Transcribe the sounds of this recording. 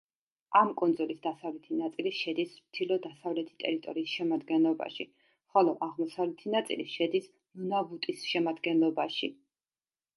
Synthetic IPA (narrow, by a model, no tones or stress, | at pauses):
amkʼɔnd̪zɔlisd̪asavlɛt̪ʰinat̪sʼiliʃɛd̪ismt̪ʰilɔd̪asavlɛt̪ʰi̥t̪ʼɛ̰ɾit̪ʼɔɾiːsʃɛmad̪ɡɛnlˠɔba̰ʃi | χɔlˠɔʔaʁmɔsavlɛt̪ʰinat̪sʼḭliʃɛd̪is | munabut̪ʼisʃɛmad̪ɡɛnlˠɔbaʃi